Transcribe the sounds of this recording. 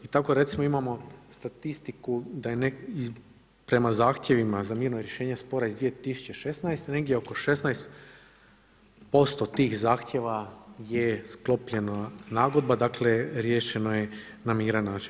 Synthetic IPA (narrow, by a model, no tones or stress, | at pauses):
it̪ako̞ɾe̞t̪simoimamo̞st̪at̪ist̪ikud̪ajenei | pɾe̞mazaːxt̪ʲje̞ʋimazamiːɾnoɾje̞ʃe̞ːɲespo̞ɾaizd̪ʋije̞t̪isu̥t͡ɕe̞ʃe̞snajst̪ene̞ɡd̪ʲjeoko̞ʃe̞snajst̪ | po̞st̪o̞t̪iːxzaːxt̪ʲje̞ʋajesklˠo̞pʎe̞nanaːɡo̞d̪̚bad̪akle̞ɾje̞ːʃe̞no̞je | namiːɾanːaːt͡ʃi̥n